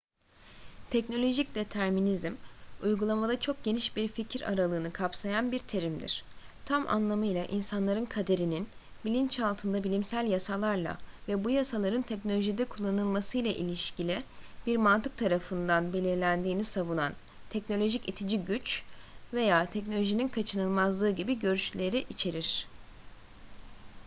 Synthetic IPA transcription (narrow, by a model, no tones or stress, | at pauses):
t̪ʰɛcno̞lʲo̞ʒicd̪e̞t̪ʰæɾminizmujɡulˠamad̪at͡ʃʰo̞k̚ɟ̥e̞niʃbiɾficʰiɾa̰ɾalˠɯːnɯkʰapsajanbiɾt̪ʰe̞ɾimd̪ḭɾ̥t̪ʰamʔa̰nlˠamɯjlˠaʔinsanlˠaɾɯnkʰad̪e̞ɾinin | bilʲint͡ʃalˠt̪ʰɯnd̪abilʲimsælʲjasalˠaɾlˠa̰vɛbujasalˠaɾɯnt̪ʰɛcno̞lʲoʒid̪ɛkʰulˠːanɯlˠmasɯjlˠaʔilʲiʃcilʲibiɾmant̪ʰɯk̚t̪ʰaɾafɯnd̪anbe̞lʲiɾlʲænd̪iːnisavunan | t̪ʰɛcno̞lʲo̞ʒicit̪ʰid͡ʒiɟyt͡ʃve̞jaːt̪ʰɛc̬no̞lʲo̞ʒininkʰat͡ʃʰɯnɯlˠmazlˠɯːɟibiɟø̞ɾyʃlʲe̞ɾiʔit͡ʃʰe̞ɾiɾ̥